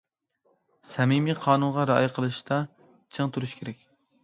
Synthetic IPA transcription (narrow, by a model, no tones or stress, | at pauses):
sɛmimiqʰɑːnunʁɑɾɑ̰ːjɨqʰəlˠɨʃt̪ɑ | t͡ʃʰɨŋt̪ʰuɾuʃkʲʰeɾɛkʲ